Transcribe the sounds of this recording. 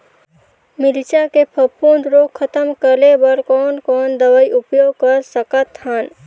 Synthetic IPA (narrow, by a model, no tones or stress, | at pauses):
mɪlt͡ʃakepʰəpuːnɾoːkʰːət̪əmkəlebɐɾkɔːnkɔːnd̪əʋəiʊpjoːɡ̚kɐɾsəkət̪hɦaːn